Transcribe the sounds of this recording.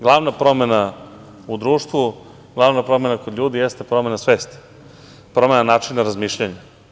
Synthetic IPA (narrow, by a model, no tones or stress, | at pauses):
ɡlˠaʋnapɾo̞me̞na | ud̪ɾuːʃt̪ʋu | ɡlˠaʋnapɾo̞me̞nakod̪ʎʲuːd̪ijest̪epɾo̞me̞nasʋeːst̪ | pɾo̞me̞nanaːt͡ʃinːaɾazmiːʃʎaɲe